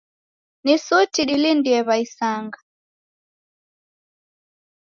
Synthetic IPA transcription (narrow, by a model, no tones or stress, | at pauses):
nisutiɗilindiɛβaisaŋɡa